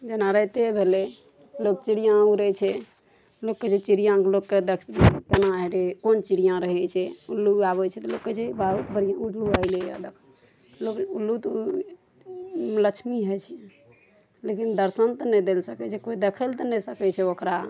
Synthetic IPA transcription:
d͡ʒənaɾəjt̪ebʱele | lok̚t͡ʃiɽijãuɾɛt͡ʃʰɛ | lokːet͡ʃʰet͡ʃiɾijãklokːed̪ekʰkənaɦeɾekont͡ʃiɾijãɾəɦɛt͡ʃʰɛulːuaβɛt͡ʃʰɛt̪ɔlokːet͡ʃʰebabəɾijãuʈluaileja̰d̪ekʰ | lokulːut̪ | lət͡ʃʰmiɦət͡ʃʰɛ | lekind̪əɾsənt̪ɔnɛd̪elsəkɛt͡ʃʰɛkoid̪ekʰəlt̪ɔnɛsəkɛt͡ʃʰɛokɾa

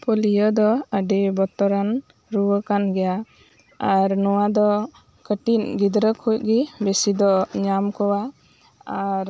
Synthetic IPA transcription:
pʰolijɔd̪ɔəɖɛbɔt̪ɔɾan | ɾuwəkanɡɛja | aɾnɔwad̪ɔ | kəʈinɡid̪ɾəkʰujʔ̚ɡibesid̪ɔɲamkɔwa | aɾ

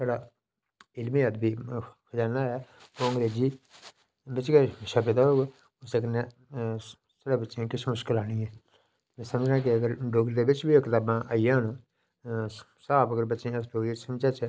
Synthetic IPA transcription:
seɽaː | ɪlmiːəd̪biːkʰəd͡ʒaːnaːɛːoːŋɡd̪eːd͡ʒiː | bɪt͡ʃkeːʃəped̪aːɦoːɡ | ʊsekəne | səɽaːbətːʃẽːkɪʃmʊʃkəlaːñĩːɛ̃ː | mɛ̃ːsəməd͡ʒnãːk̬ɪəɡəɾɖoːɡɾd̪eːbɪt͡ʃbiːokɪt̪aːbãːʔaːijãːn | saːbəɡəɾbətːʃẽːəsʈoːisəmt͡ʃaːt͡ʃː

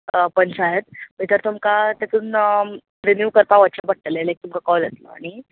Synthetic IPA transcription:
əpənsaɦet̪̚bet̪əɾt̪umkat̪et̪unə | ɾenjuʋkəɾpaʋət̪ɕabəɽ̚ʈəlelajk̚t̪umkakɔlət̪lɔ̰a̰ɽ̃i

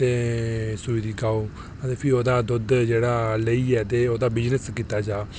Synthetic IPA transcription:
t̪eːsʊʋɪd̪iːkaːoː | ət̪eːpʰɪoːd̪aːd̪ʊd̪d͡ʒeːɽaːləiːɛːt̪̬eːoːd̪aːbɪd͡ʒnəskiːt̪aːd͡ʒaː

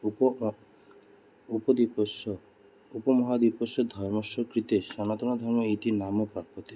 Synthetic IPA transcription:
up | upɔd̪ipɔs | upɔmɔɦad̪ipɔsɔd̪ʱɔjmɔʃɔkɾit̪eʃanat̪ɔñad̪ʱɔɾmɔiʈinamɔpapɔt̪e

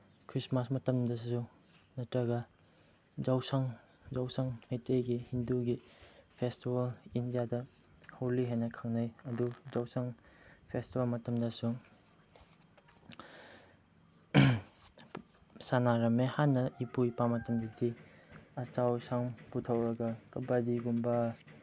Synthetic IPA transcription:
kʰɾismasmɐtɐmdɐsu | nɐtɾɐɡɐ | d͡ʒawsaŋ | zawsaŋmejteɡihinduɡipʰestibɐlindijadɐ | howliɦajnɐkʰaŋnɐjɐduzawsaŋpʰestibɐlmɐtɐmdɐsuŋ | sanaɾɐmehanːɐipujpamɐtɐmdɐdiɐt͡ʃawsaŋputʰɐwɾɐɡɐkɐbadiɡumbɐ

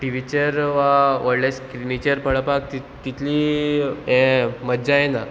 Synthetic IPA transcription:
ʈiʋit͡ɕəɾʋaʋɔɾleskɾinit͡ɕəɾpəɭəpakt̪i | t̪it̪ʰliː | ɛ̃mədd͡ʑaẽna

